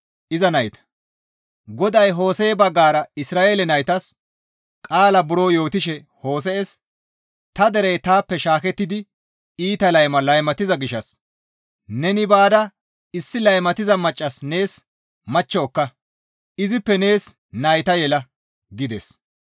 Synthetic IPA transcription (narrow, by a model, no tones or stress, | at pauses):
ʔɪzɐnɐjt̪ɐ̥ | ɡɔd̪ɐjɦo̞ːseːbɐɡːaːɾɐɪsɾaːʔeːlɛnɐjt̪ɐs | kʼaːlɐbʊɾoːjo̞ːt̪ɪʃɛ | ho̞ːs̬ɛɛs | t̪ɐd̪ɛɾɛjt̪aːpːɛʃaːkɛt̪ːɪd̪ɪ | iːt̪ɐlɐjmɐlɐjmɐt̪ɪzɐɡɪʃɐs | nɛnɪbaːd̪ɐ | ɪsːɪlɐjmɐt̪ɪzɐmɐt͡ʃʼːɐsne̞ːs | mɐt͡ʃːɔːkːɐ | ʔɪzɪpːɛne̞ːs | nɐjt̪ɐjɛlɐ | ɡɪd̪ḛs